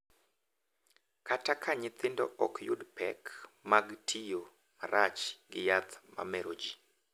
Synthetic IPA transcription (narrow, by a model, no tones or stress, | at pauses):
katakʰaɲɪt̪ɪndɔ̰ʔɔkʰjṵdpɛkmaɡtʰijo | maɾat͡ʃɡɪjat̪ma̰mɛɾod͡ʒi